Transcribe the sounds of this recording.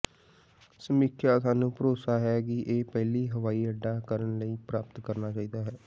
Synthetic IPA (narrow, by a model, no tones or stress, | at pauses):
səmikʰjaːsaːnũːpəɾoːsaːɦɛːkɪʔeːpɛːliːɦəʋaːiːəɖːaːkəɾənləiːpɾaːpət̪kəɾnaːt͡ʃaːiːd̪aːɦɛː